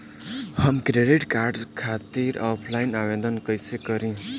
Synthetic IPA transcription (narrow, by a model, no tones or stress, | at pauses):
hʌmkɾeɖiʈkaɾɖskʰat̪iɾɔpʰlajnaʋed̪ənkʌjsekʌɾĩ